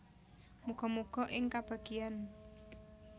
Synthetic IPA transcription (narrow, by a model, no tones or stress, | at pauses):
muɡ̥ɔmuɡ̥ɔ̤ʔɪŋkab̥a̤ɡ̥ian